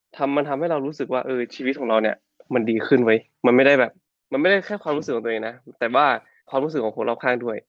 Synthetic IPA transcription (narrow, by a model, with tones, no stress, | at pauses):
t̪ʰa˧mːa˧nt̪ʰa˧mha˥˩jɾa˧wɾuː˦˥s̬ɯ˨˩k̚waː˥˩ʔɤː˧t͡ɕʰiː˧wi˦˥t̪̚kʰːɾa˧wni˥˩ɐ | ma˧ndiː˧kʰɯ˥˩nwa˦˥j | ma˧nma˥˩jda˥˩jbɛː˨˩p̚ | ma˧nma˥˩jda˥˩jkʰɛː˥˩kwa˧mɾu˦˥ɯ˨˩kːt̪ːeː˧ŋna˦˥t̪ɛː˨˩waː˥˩ | kʰwaː˧mɾuː˦˥sɯ˨˩kʰːɔː˨˩˦ŋkʰːo˧˩˦ŋɾa˧wkʰaː˥˩ŋdu˥˩əj